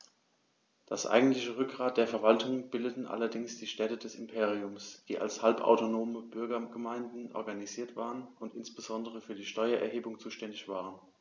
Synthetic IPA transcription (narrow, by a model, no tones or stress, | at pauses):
d̥asʔa̰ɪɡŋ̩tlɪçəʁʏk̚ɡ̥ʁaːt̚d̥eːɐfɛɐvaltʰʊŋəb̥ɪldətn̩ʔa̰lɐdɪŋsd̥iːʃtɛtədɛsɪmpʰeːʁ̞iʊmsd̥iːʔa̰lshalpa̰ʊtonoːməb̥ʏɐɡɐɡ̥əmaɪndn̩ʔɔ̰ɐɡaniziːɐtv̥a̰ːʁənʊntɪnsb̥əzɔndəʁ̞əfyːɐdiːʃtɔʏɐʔɛ̰ɐɦeːbʊŋt͡suːʃtɛndɪçv̥aːʁ̞ən